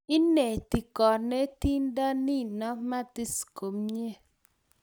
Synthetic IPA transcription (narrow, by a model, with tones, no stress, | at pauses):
ɪ˦ne˨ti˨kɔ˨ne˦ti˦nda˦nɪ˦˨nɔ˦ma˦t̪i˦sko˨mɲe˦